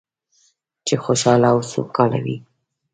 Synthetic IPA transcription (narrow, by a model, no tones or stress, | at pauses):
t͡ʃexoʃɑlawso̰kɑla̰wḭ